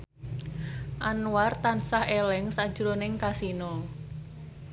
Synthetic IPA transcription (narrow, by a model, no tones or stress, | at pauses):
ʔanwart̪ansahelɛŋsḁd͡ʒ̥uɾonɪŋkasinɔ